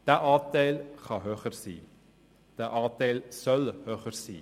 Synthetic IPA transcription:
d̥æʔɑːtɛɪlχɑɦøːχərsḭː | d̥æːʔɑːtɛɪlsœlhøːχəɾsḭː

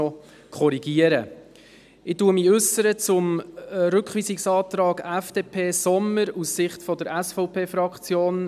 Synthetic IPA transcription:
ɔ | kʰχɔɾiɡ̥iəɾə | ɪtuːəmiʉsəɾət͡sʊmɾʏkχʋiːsɪksɑːt̪rɑːɡæfd̥eːpʰeːsɔməɾussɪχtfɔdəɾæsfɔʊpʰeːfrɑkχt͡sjoːn

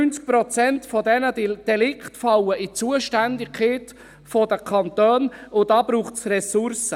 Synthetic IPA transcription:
ynt͡sk̚pɾɔt͡sɛntfɔdɛnəd̥ɛlɪkχtfɑlːəʔit͡suəʃtændɪkʰχeːt | fɔdəkʰɑnt̪øːnʊd̥ɑːb̥ɾuːχtsrɛsʊɾsə

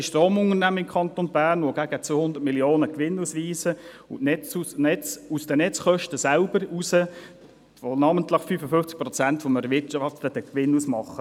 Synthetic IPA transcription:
ʃtroːmʊŋənæməɪmkʰχɑnt̪onbæːɾnʋoɡ̥æɡ̥ət͡sʋohʊnd̪əɾt̚miljoːnəkʋɪnusʋiːsə | ʊʔɛt͡suɛt͡susd̥ənɛt͡sχœʃtəsælbəɾusə | fonɑməntləχfyːfəfʏnft͡sk̚pɾɔt͡sænt̪foməɾəʋɪtʃɑftədəkʋɪnusmɑχːə

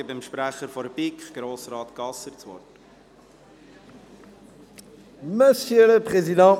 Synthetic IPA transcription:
əbɪmʃpɾæχəɾfɔɾbikχɡ̥ɾoːsɾɑːt̪ɡ̥ɑsəɾt͡svɔ̰ɾt | məsjøləpʁezid̪ɑ̃

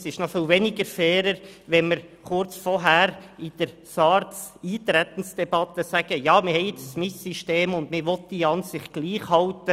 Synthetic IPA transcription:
sɪʃnɔfiːlvɛnɪɡəɾfɛːɾəɾʋɛnməɾχʊɾt͡sfɔɦæɾɪd̥əɾ | sɑːɾtt͡siːtɾɛt̪ən̩sd̥ɛb̥ɑt̪əsæɡ̥əjɑːmɪhɛɪet͡ssmɪsiʃteːmʊnd̪mɪɾʋɔtd̥iːɑnsɪχt̚ɡ̥liːχhɑltə

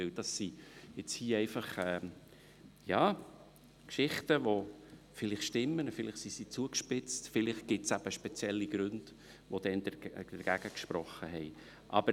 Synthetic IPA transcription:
ɪld̥ɑsːijɪt͡shiːɛɪfɑχɛː | jɑː | kʃɪχtəʋo | fɪlɪχʃtɪmːənfɪlɪχsisit͡suəkʃpɪt͡stfɪlɪχ̚ɡ̥ɪtsæb̥əʃpɛt͡sjɛlːiɡ̥ɾʉnd̥ | ʋod̥ɛndəd̥əɡ̥æɡ̥əkʃpɾɔχːəɦɛɪ | ʔɑb̥əɾ

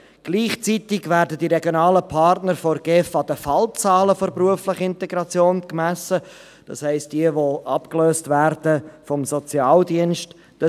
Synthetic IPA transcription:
ɡ̥liːχt͡sitɪɡvæːɾdədiɾɛɡjonɑːləpʰɑɾtnəɾfɔɾɡ̥ɛfɑdəfɑlt͡sɑːləfɔɾpruəflɪχəɪnteɡɾɑt͡sjoːnkmæsə | d̥ɑ̰shɛɪst̚d̥iəvoʔɑpkløːstvæɾd̥əfɔmsɔt͡sjɑːldiənʃt | d̥ɑ

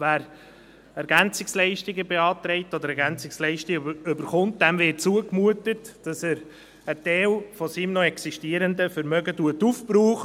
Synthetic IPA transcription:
væːɾ | ɛɾɡænt͡sɪkslɛɪʃtɪɡəbeɑːtɾɛɪtɔd̪əɾɛɾɡænt͡sɪkslɛɪʃtɪɡøbəɾχʊnt̚dɛmvɪt̚t͡suəkmuətətd̥ɑsæɾ | ətɛɪlfɔsimnɔɛksiʃtiəɾəndəfəɾmœɡətuətufpɾuːχ

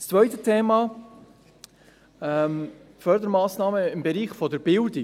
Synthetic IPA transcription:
st͡svœʏtətʰeːmɑ | ɛm | fœɾdəɾmaːsnɑːməɪmbɛɾiːχfɔdɛɾb̥ɪldɪ

